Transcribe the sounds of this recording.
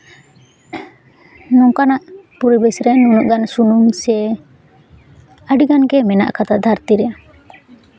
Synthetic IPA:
nɔŋkanaʔpuɾibɛsɾɛnunuʔɡansunumsɛ | aɖiɡanɡɛmɛna̰ʔkat̪ad̪ʱaɾt̪iɾɛja

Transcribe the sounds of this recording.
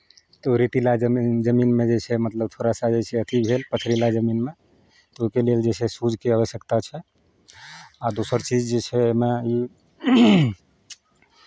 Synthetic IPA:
t̪ɔɾit̪ilad͡ʒəd͡ʒəminmẽd͡ʒet͡ʃʰɛmət̪ləb̚t̪ʰoɾasad͡ʒet͡ʃʰɛət̪ibʱelpət͡ʃʰɾilad͡ʒəminme | t̪ɔoikeleld͡ʒet͡ʃʰɛsud͡ʒʱkeaʋəsjəkt̪at͡ʃʰɛ | ad̪osəɾt͡ʃid͡ʒd͡ʒet͡ʃʰɛmɛi

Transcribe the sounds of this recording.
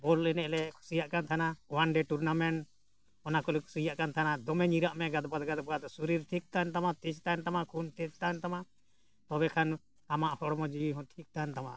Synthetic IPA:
bɔlɛnɛʔlɛkʰu̥sijaʔkant̪ʰanawanɖɛʈuɾnamɛɳʈ | ɔnakɔlɛkʰu̥sijaʔkant̪ʰanad̪ɔmɛɲiɾaʔmɛɡad̪bad̪ɡad̪bad̪suɾiɾʈʰik̚t̪ant̪amat̪it͡ʃt̪ant̪amakʰunt̪ɛt͡ʃt̪ant̪ama | t̪ɔbɛkʰan | amaʔhɔɽmɔd͡ʒiiɦɔ̃ʈʰik̚t̪ant̪ama̰ʔ

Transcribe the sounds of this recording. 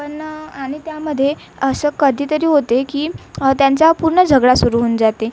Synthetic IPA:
pəɳaɽ̃it̪jaməd̪ʱːje | əsəkəd̪ʱiːt̪əɾiːɦot̪ekiːt̪jaɲt͡sapuɾɳəd͡zʱəɡɭasuɾuuːnd͡zat̪e

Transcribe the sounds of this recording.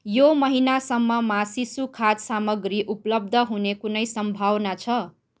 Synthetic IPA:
jomʌɦinasʌmːʌmasisukʰat̪samʌɡriʔuplʌb̚d̪ʱʌɦunekunʌjsʌmbʱawnat͡sʰʌ

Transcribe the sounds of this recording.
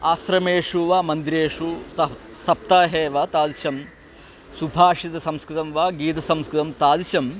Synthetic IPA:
aːsɾɐmeːʂuʋaːmɐnd̪iɾeːʂu | sɐp̚t̪aːɦeːʋaːt̪aːd̪iʃɐm | subʱaːʂit̪ɐsɐmskɾɪt̪ɐmʋaːɡiːt̪̬ɐsɐmskɾɪt̪ɐmt̪aːd̪iʃɐm

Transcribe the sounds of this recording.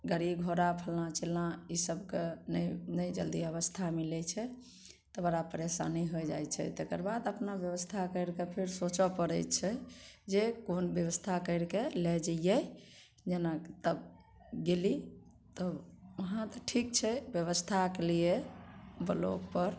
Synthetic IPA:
ɡəɽiɡʱoɾapʰəlnãt͡ʃelãisəbkennəjd͡ʒə̰ld̪iəβəst̪ʰamilɛt͡ʃʰɛ | t̪əbəɾapəɾesa̰niɦojd͡ʒa̰jt͡ʃʰɛ̰t̪ekəɾbad̪əpnabjəβəst̪ʰakəɪɾkepʰiɾsot͡ʃɔpəɾət͡ʃʰɛd͡ʒekonbjəʋəst̪ʰakəɪɾkelɛd͡ʒəjjɛ | d͡ʒenat̪əb | ɡeli | t̪əəɦãt̪ɔʈʰik̚t͡ʃʰɛbjəβəst̪ʰakeliebəlo̰ɡpəɾ

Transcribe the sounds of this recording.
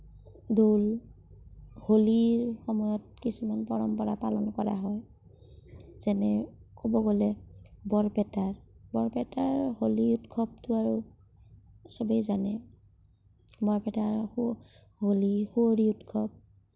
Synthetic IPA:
dol | holiɹxɔmɔjɔt̚kisumanpɔɹɔmpɔɹapalɔnkɔɹa̰ɦɔj | z̥ɛnɛkobɔɡolɛbɔɹpɛtaɹbɔɹpɛtaɹholiutkʰɔb̚tʊaɹu | sɔbejzanɛ | bɔɹpɛtaɹ | holixuoɹiutkʰɔb̚

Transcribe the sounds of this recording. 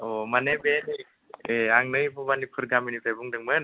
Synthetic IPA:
ɔmanebenɯj | eaŋnɯjpʰɔbanipʰɯɾɡaminipʰebuŋdɯŋmɯn

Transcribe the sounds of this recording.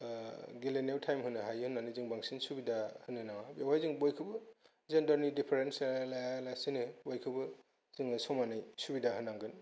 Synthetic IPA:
ɡilenewtʰajmɦɯnɯɦajhɯnːanɯzɯŋbaŋsinsubidahɯnɯnaŋabiwajziŋbojkʰɯbɯ | zendɔɾnidipʰeɾenslajalasinɯbojkʰɯbɯ | zɯŋɯsɔmanɯjsubidaɦɯnːaŋɡɯn

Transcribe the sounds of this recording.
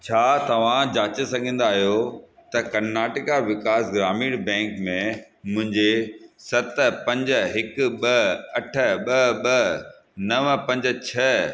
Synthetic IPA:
t͡ɕʰaːt̪ɐʋ̤ãd͡ʑaːt͡ɕesɐɡʱĩːn̆d̪aːɦijot̪ɐkɐnaːʈɪkaʋɪkaːsɡɾaːmiːɽbɛ̃ːŋkmẽ | mʊ̃ɦɪ̃ɲd͡ʑesɐt̪pɐ̃ɲd͡ʑɦɪkɓɐɐʈʰə̆ɓɐɓɐ | nɐʋpɐ̃ɲd͡ʑə̆t͡ɕʰɐ

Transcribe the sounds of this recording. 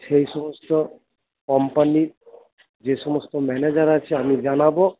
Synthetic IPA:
ʃejʃɔmɔst̪ɔ | kɔmpaniɾ | d͡ʑeʃɔmɔst̪ɔmɛned͡ʑaɾat͡ɕʰeamid͡ʑanabo

